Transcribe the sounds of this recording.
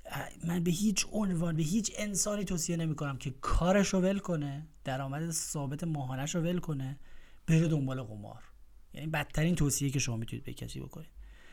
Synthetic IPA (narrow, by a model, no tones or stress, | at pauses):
mænbeɦiːt͡ʃʰonvɒːnbe̞ɦiːt͡ʃʰe̞nsɒːniːt̪ʰoːsije̞ne̞miːko̞næmcʰe̞kʰɒːɾeʃove̞lkʰo̞ne̞d̪̥æɾɒːmæd̪esɒːbe̞t̪ʰe̞mɒːɦɒːnæʃove̞lkʰo̞ne̞b̥eɾed̪o̞mbɒːleɣo̰mɒ̰ːɾ | jæ̰nibæt̪ʰːæɾiːnt̪ʰoːsijejcʰe̞ʃo̞mɒːmit̪ʰunḭd̪̚bejḛcʰæ̰sḭbo̞̰kʰo̰nid̪̥